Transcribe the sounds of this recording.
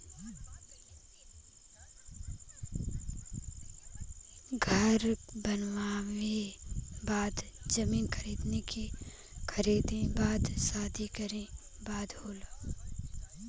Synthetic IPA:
ɡʱəɾbənʋaːwebaːd̪d͡ʒɐmiːnkʰəɾiːd̪neki | kʰɐɾiːd̪ẽbaːd̪saːd̪ʱikəɾẽ | baːd̪hoːlo

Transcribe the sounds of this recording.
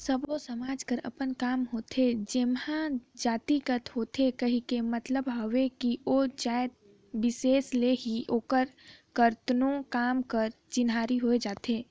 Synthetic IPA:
səbʋosɐmaːd͡ʒkəɾɐ̰pənkaːmɦoːt̪ʰed͡ʒemhãd͡ʒaːt̪ikət̪ɦoːt̪ʰekɐɦikemɐt̪ləbɦɐʋekiot͡ʃaːjd̪̚ | bɪseːsleɦiʔoːkəɾkəɾt̪nõkaːmkəɾ | t͡ʃɪnaːɾiɦoːed͡ʒaːt̪ʰeː

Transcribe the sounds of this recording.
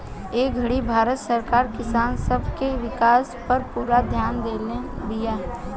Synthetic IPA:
eːk̚ɡʱɐɽibʱaːɾət̪səɾkaːɾkɪsaːnsəbʱkeʋɪkaːspɐɾpuːɾad̪ʱjaːnd̪eːlẽbijaː

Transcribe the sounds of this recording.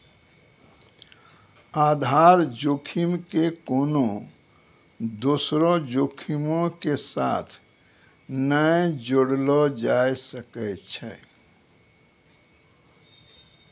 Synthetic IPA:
ad̪ʱaɾd͡ʒokʰimkekono | d̪osɾɔd͡ʒokʰimõkesa̰t̪ʰ | nəjd͡ʒoɽlɔd͡ʒajsəkəjt̪t͡ʃʰɛ̰

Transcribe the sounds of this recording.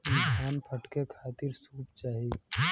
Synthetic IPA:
ɪnsʰaːnpʰəʈkekʰaːt̪ɪɾsuːpt͡ʃaːɦie

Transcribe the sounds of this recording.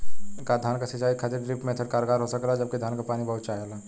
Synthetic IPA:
kad̪ʱaːnkasɐt͡ʃaːikʰat̪ɪɾɖɾiːpmẽt̪ʰəɾkaːɾoɡaːɾɦosɐkɾaɦɛd͡ʒɐb̚ked̪ʱaːnkapaːnibɐɦʊt̪̚t͡ʃaːɦəlaː

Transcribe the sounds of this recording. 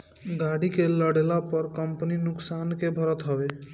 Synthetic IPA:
ɡaɽikeləɽelapəɾkəmpninʊksankebʱəɾət̪ɦɔbe

